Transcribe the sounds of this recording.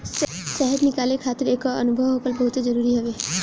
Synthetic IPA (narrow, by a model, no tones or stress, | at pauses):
sɛɦəd̪nɪkaːlekʰaːt̪əɾeːkɐ̰nʊbʱəʋɦoːkəlbɐɦʊt̪ezəɾuːɾiɦɛʋeː